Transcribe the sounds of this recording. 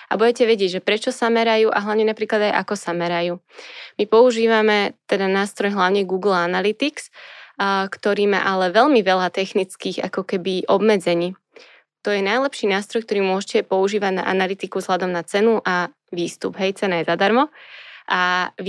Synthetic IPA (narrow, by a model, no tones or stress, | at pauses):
a̰buɛcɛʋɛɟɪɛɟʒɛpɾɛt͡ʃɔsamɛɾajuːʔa̰ɦlaʊɲɛnapɾiːklad̪ajʔa̰kɔsamɛɾajuːmipɔuʒiːʋamɛt̪ɛd̪anaːst̪ɾɔjɦlaʊɲɛɡuːɡl̩analit̪iks | kt̪ɔɾiːma̰ʔalɛʋɛʎmiʋɛlat̪ɛxnit͡skiːɣa̰kɔkɛbiʔɔbmɛd͡zɛɲiː | t̪ɔjɛnajlɛpʃiːnaːst̪ɾɔjkt̪ɔɾiːmʊɔʒɛcɛpɔuʒiːʋaɟna̰ʔa̰nalit̪ikuzɦlad̪ɔmnat͡sɛnuʔa | ʋiːst̪ubɦɛjt͡sɛnajɛzad̪aɾmɔʔa